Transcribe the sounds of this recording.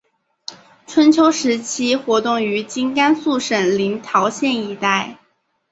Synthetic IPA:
ʈ͡ʂʰwə˧˥nt͡ɕʰjo˧˥ʊʂɻ̩˧˥t͡ɕʰi˥xwɔ˧˥t̪ʊ˥˩ŋy˧˥t͡ɕi˥ŋka˥nsu˥˩ʂə˨˩ŋli˧˥ŋt̪ʰjɑ˧˥ʊɕjɛ˥˧ni˧˩t̪a˥˩ɪ

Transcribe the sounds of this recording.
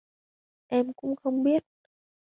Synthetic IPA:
ʔɛ˧mkʊ̰˧˥ŋ͡mxə˧wŋ͡mɓi˦˥ət̚

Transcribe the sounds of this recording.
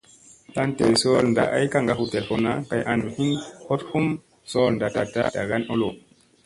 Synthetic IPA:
ta˦nte˨so˦lnda̰˨ʔa˦jka˦˨ŋɡa˦hu˨te˨lfo˦na˦ka˨jʔa˨nu˨hi˦nho˦thu˦m | so˦lnda˨ta˨ta˦da˨ɡa˦no˦lo˨

